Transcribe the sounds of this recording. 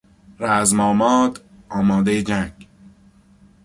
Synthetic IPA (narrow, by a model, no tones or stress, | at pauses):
ɾæzmɒːmɒːd̪ | ɒːmɒːd̪ejed͡ʒæŋɡ